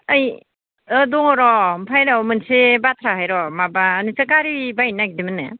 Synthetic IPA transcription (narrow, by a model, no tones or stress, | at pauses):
ɯj | ɯdɔŋɔɾɔmpʰajɾamɯnsebatʰɾaɦajɾɔmabaːnisɯkaɾibajnak̚dimɯnːɯ̰